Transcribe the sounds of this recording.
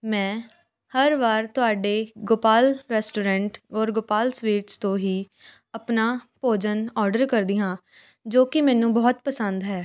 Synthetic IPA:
mɛ̃ː | həɾʋaːɾt̪ʊaːɖeːɡoːpaːlɾɛːsʈuːɾɛ̃ːɳʈɔːɾɡoːpaːlswiːʈst̪õːɦiː | əpnaːpoːd͡ʒənɔːɾɖəɾkəɾd̪iːɦãː | d͡ʒoːkɪmɛ̃ːnũːbɔːt̪pəsə̃nd̪ɦɛː

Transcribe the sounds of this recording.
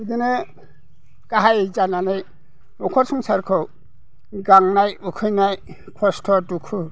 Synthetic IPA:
ud̪inɯ | kaɦajzananɯj | ɔkʰɔɾsɔŋsaɾkʰɔw | ɡaŋnajukʰɯjnaj | kʰɔstʰɔdukʰɯ

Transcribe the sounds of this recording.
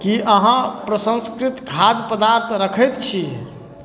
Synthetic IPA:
kiəɦãpɾəsə̃nskɾit̪ɡʱad̪pəd̪aɾt̪ʰɾəkʰəjt̪t͡ʃʰi

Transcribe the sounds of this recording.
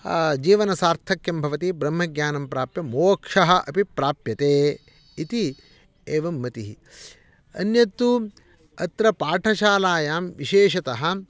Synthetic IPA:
d͡ʒiːʋɐnɐsaːɾt̪ʰɐkjɐmbʱɐʋɐt̪ibɾɐmːɐɡɲaːnɐmpɾaːpjɐmoːkʂɐɦɐ̆ʔɐpipɾaːpjɐt̪eː | it̪i | eːʋɐmːɐt̪iɦi | ɐ̰njɐt̪u | ɐt̪ɾɐpaːʈʰɐʃaːlaːjaːmʋiʃeːʃɐt̪ɐɦɐ̆

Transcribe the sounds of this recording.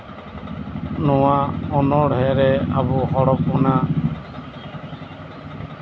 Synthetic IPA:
nɔwaɔnɔɽɦɛʔɾɛabuɦɔɽɔp̚mɔna

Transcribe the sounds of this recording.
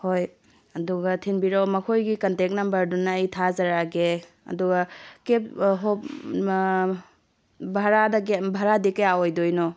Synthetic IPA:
hoj | ɐduɡɐtʰinbiɾawmɐkʰojɡikɐntek̚nɐmbɐɾdunaːjtʰazaɾaɡe | ɐ̰duɡɐkep̚ɦo | bʱaɾadaɡebʱaɾadikɐjawojdojnɔ

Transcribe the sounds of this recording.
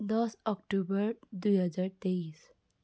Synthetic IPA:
d̪ɔsɔkʈubəɾd̪ujɦəd͡zaɾt̪eis

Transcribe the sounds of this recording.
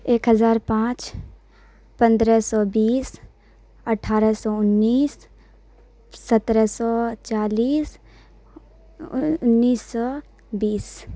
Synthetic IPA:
eːkɦəzaːɾpãːt͡ʃ | pə̃nd̪ɾəsɔːbiːs | əʈʰaːɾəsɔːʊnːiːs | ət̪ɾəsɔːt͡ʃaːliːs | ʊnːiːsːɔː | biːs

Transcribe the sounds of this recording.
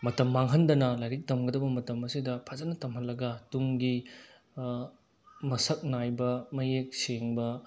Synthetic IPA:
mɐtɐmːaŋɦɐndɐnɐlajɾik̚dɐmɡɐdɐbɐmɐtɐmɐsidɐpʰɐzɐnɐtɐmɦɐnlɐɡɐtuŋɡi | mɐsɐk̚najbɐmɐjek̚seŋbɐ

